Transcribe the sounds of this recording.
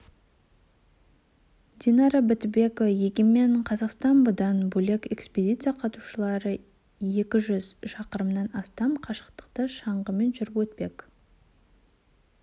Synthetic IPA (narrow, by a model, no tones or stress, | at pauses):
d̪ʲinɑɾɑbɪt̪be̞kojeɡʲeme̞ɴqʰɑzɑqst̪ɑnbʊd̪ɑnbɵle̞ke̞kspʲed̪ʲit̪sɨjaqʰɑt̪u̥ʃəlˠɑɾə | je̞kʲɪʒʏzʃɑqəɾəmnɑnɑst̪ɑmqʰɑʃə̥qt̪ə̥qt̪əʃɑɴʁəme̞nʒʏɾɪpwɵt̪̚pe̞k